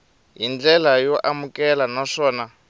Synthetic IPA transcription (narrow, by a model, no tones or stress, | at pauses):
ɦind͡ɮɛlajɔʔamukɛlanaʂɔːna